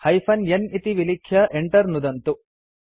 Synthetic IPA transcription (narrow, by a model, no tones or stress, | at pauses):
hɐjpʰɐnjɐnit̪iʋilikʰjɐʔeɳʈɐɾnud̪ɐnt̪u